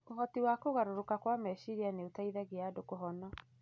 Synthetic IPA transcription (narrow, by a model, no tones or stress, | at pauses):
oɦɔtiwakoɣaɾoɾokakwamɛʃiɾianeotaiðaɣeadokoɦɔnɔ